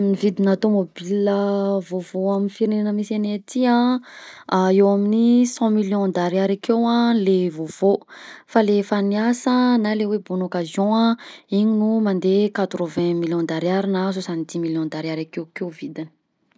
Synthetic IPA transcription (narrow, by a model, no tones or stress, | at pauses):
nivid̪inat̪omobiləvovoaminifiɾineanəmisenet̪iã | aewaminisɑ̃miljɔ̃d̪aɾiaɾakewãlevov̥ofalefaniasənalewebunokazjɔ̃ãiɲinumand̪ekat̪ɾovɛ̃miljɔ̃d̪aɾiaɾinas̬osanid̪imiljɔ̃d̪aɾaɾakewkewvid̪ini̥